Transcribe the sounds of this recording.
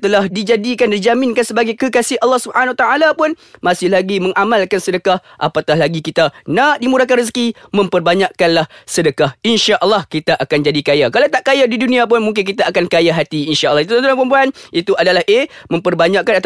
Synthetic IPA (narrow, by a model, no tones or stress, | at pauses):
t̪əlahdid͡ʒadikandad͡ʒamɪnkansəbaɡajkəkasɪhʔalːɑhsubəhanawat̪aʔalapʊn | masɪhlaɡimə̃ŋʔamalkansədəkahʔa̰pak̪ahlaɡikit̪anaʔdimuɾakanrəs̬kimə̃mpərbaɲaʔkanlahsədəkahinʃaʔəlːɑhkit̪aʔakand͡ʒadikajakalawt̪aʔkajadidunĩap̬ʊnmũŋk̬ɪnk̬it̪aakankajaɦat̪iinʃaʔlːɑhit̪ut̪ənt̪uãŋpəmpuanit̪uʔadalahʔemə̃mpərbaɲaʔkanat̪